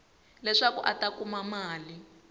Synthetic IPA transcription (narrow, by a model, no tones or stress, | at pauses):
lɛʂakṵʔatakumamaːli